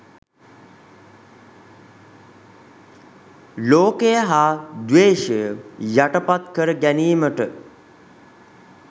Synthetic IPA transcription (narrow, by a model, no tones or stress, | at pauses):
loːkejəɦaːd̪ʋeːʃəjəjaʈəpat̪kəɾəɡæniːməʈə